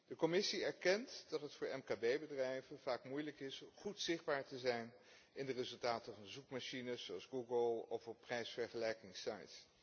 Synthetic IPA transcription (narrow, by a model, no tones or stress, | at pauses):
d̥əkɔmɪsiɛɹkɛntdɑtɦətfʊːɹɛmkaːbejbədrɛjvəv̥aːkmujləkɪsχutsɪχd̚baːɹtəzɛjn | ɪndərɪzɵlˠtaːtəvɑnzukmaʃinəoɑlˠzɡuɡəlˠɔfɔpːrɛjsfɛɹχəlɛjkɪŋsɑ̰jts